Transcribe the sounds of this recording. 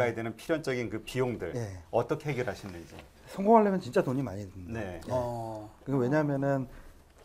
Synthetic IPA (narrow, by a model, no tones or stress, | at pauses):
aedwenɯnpʰiɾjʌnt͡ɕ͈ʌɡinkɯpijoŋdɯɭje̞ʌt͈ʌkʰeɦeɡjʌɾɯɦaɕʰinːɯnd͡ʑḭ | sʰʌŋɡoŋɦaɭːemjʌnt͡ɕint͡ɕ͈atoɲima̰ɲidɯneekɯɡewe̞ɲamjʌnɯn